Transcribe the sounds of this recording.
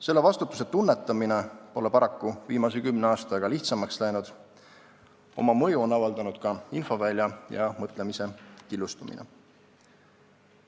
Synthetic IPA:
se̞lːe̞vɑst̪ut̪ːˑu̥se̞t̪unːe̞t̪ːˑɑmine̞po̞le̞pɑɾɑkːuviːmɑsekymneɑːst̪ɑɡ̥ɑliht̪sɑmɑkslæjnud̪̥ | o̞̰mɑmɤ̞juo̞nɑvɑld̪̥ɑnud̪̥kɑinfo̞vælʲjɑjɑmɤt̪ˑle̞mise̞kilːust̪umḭnḛ

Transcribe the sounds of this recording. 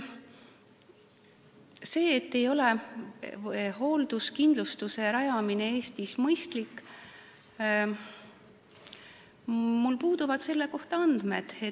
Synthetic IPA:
se̞ːt̪ːe̞jo̞le̞ | ho̞ːld̪̥uskind̪lust̪use̞ɾɑjɑminee̞ːst̪ismɤjst̪likːˑ | mulpuːd̪̥uvɑd̪̥se̞lːe̞ko̞ht̪ɑɑnd̪̥me̞d̪̥e

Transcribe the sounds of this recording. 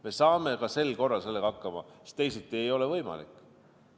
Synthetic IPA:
me̞sɑːme̞kɑse̞lko̞rːɑlse̞lːe̞ɡ̥ɑɑkːɑmɑ̰i̥st̪e̞jsit̪ːˑiejo̞le̞vɤjmɑ̰lḭkˑː

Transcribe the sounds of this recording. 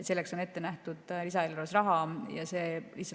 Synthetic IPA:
se̞lːekso̞ne̞t̪ːe̞næht̪ud̪̥lisɑeloɾoesrɑɦɑjɑse̞ːlihsɑ

